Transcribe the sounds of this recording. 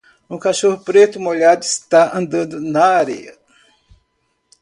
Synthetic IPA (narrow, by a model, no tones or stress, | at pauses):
ũkaʃohʊpɾet̪ʊmoʎad̪ʊist̪aɐ̃nd̪ɐ̃nd̪ʊnɐaɾɛ̰jɐ